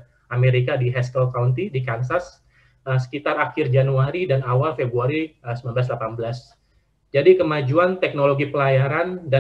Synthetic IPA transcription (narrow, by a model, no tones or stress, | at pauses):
ʔameɾikadiɦɛst̪ɔlkawnt̪idikansas | əsə̥kit̪arakɪrd͡ʒanuaɾidanawalfebɾuaɾiəsəmanbəlas̬lapanbəlas | d͡ʒadikəmad͡ʒuant̪ɛk̚noloɡipəlajaɾanda